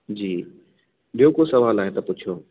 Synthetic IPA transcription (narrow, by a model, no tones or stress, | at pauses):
d͡ʑiː | ɓijokosɐʋaːlaːɦet̪ɐpʊt͡ɕʰijoː